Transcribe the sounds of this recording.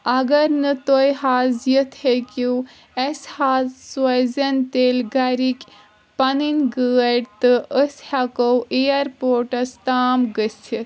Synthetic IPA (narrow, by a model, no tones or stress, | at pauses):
ɐɡɐɾnɨt̪ojɦaːzjɐt̪hekiw | eshaːzswɐjzɐnt̪elɡɐɾikʲ | pɐninʲɡəːɐɽt̪ɨʔəshakowʔejɐɾpoːɾʈɐst̪aːmɡəsʰit̪